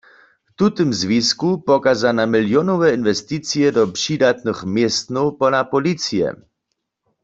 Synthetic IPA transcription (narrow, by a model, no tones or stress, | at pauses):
ft̪ut̪əmzviskupɔkazanamɪljɔnɔvɛinvɛst̪it͡siɛdɔpʂiːdat̪nɨxmjɛst̪nɔwpɔnapɔlit͡sijɛ̰